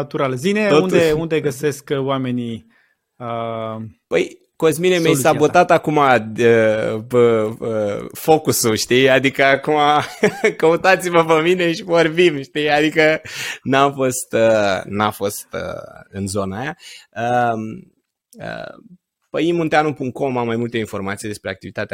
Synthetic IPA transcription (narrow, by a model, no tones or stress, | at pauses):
at̪uɾalzineound̪eund̪eɡəse̞skwame̞ni | ə | pəj | ko̞zminemejsabot̪at̪akumaəpəəfo̞kusuʃt̪ijad̪ikəakumakəut̪at̪siməpəmine̞ʃivorbimʃt̪ijad̪ikənamfo̞st̪ənafo̞st̪ə̰ɨnzo̞najaəm | ə̰ | pəjimunt̪eanupuŋkt̪̚ko̞mamːajmult̪əinfo̞rmat̪sijd̪espɾeak̚t̪ivit̪at̪ea